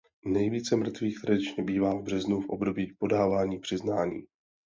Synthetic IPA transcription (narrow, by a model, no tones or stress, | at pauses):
nɛjviːt͡sɛmr̩t̪viːxt̪ɾadɪt͡ʃɲɛbiːvaːvbr̝ɛznufʔobdo̞biːpo̞daːvaːɲiːpr̝̥ɪznaːɲḭː